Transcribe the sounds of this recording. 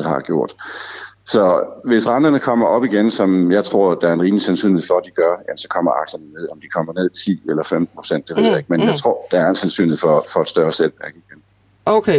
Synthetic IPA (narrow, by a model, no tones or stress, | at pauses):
ðhɑ̈ɡ̥jo̝ɐ̰d̥ | sɒ̽ʋe̝sʁɑ̈nd̥ɐnəkʰɒ̽m̰ɐʔɒ̽b̥iɡ̥ensɒ̽mjɑ̈ɪt͡sʰʁo̝ɐ̰d̥ɑ̈æɐenʁiːmlisensy̰ːnlhe̥fɒ̽d̥iɡ̥ɶɐjæmn̩sɒ̽kʰɒ̽m̰ɐʔɑ̈ɡ̥sɐnəne̝ð̰ˠɒ̽md̥ikʰɒ̽m̰ɐne̝ð̰ˠt͡sʰḭːelɐfemd̥n̩pʰo̥sen̰d̥e̝ʋe̝ð̞̰ˠjɑ̈eɡ̥menjɑ̈ɪt͡sʰʁo̝ɐ̰d̥ɑæɐensensy̰nlheð̩ˠfɒ̽fɒ̽æd̥sd̥ɶːɐselʋæɐɡ̥iɡ̥en | oʊkʰe